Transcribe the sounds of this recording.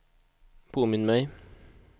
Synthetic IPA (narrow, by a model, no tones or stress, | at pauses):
pʰoːmɪnmæɪ